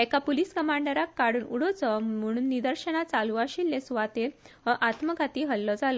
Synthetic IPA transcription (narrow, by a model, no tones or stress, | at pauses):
ekapuliskəmaɳɖəɾakːaɽuːnuɽɔt͡sɔm̤əɽ̃uːnːid̪əɾɕənat͡saluaɕilːesʋat̪e | əʔat̪məɡʱat̪iːɦəlːɔd͡zalɔ